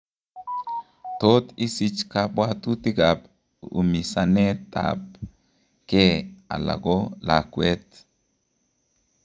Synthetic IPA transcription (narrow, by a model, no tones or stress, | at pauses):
t̪oːt̪ɪsɪt͡ʃkapwaːt̪ut̪iɡab | ʊ̰misanet̪a̰b | keːa̰la̰ɡola̰ːkwet̪